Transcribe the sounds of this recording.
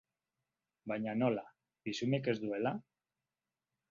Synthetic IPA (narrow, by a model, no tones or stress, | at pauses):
bajɲano̞la | bisuneke̞zd̪ue̞la